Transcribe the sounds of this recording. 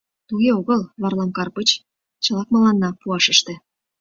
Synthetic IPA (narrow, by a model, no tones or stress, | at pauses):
t̪uɣeoɣəlβɑrlɑmkɑrpət͡ɕ | t͡ɕəlɑk̚mɑlɑnːɑpuɑʃəʃt̪ĕ